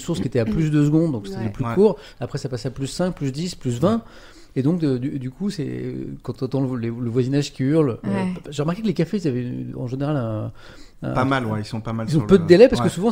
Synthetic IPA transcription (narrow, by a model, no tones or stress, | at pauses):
suʁskʲiet̪ɛaplys̬d̪øs̬əɡɔ̃d̪d̪ɔ̃kse̥t̪ɛd̪lplykuːʁ | apχɛsapasɛaplysːɛ̃k̚plys̬d̪isplysvɛ̃ | ed̪ɔ̃kd̪yd̪ykʰusɛ̰kɑ̃t̪ɔ̃t̪ɑ̃ləleləvwazinaʒkʲiyʁlʒeʁəmaʁkekəlekafeizavɛɑ̃ʒeneʁalɛ̰̃ | amalwɛisɔ̃pamalilzɔ̃pød̪əd̪elɛpaʁskəsuvɑ̃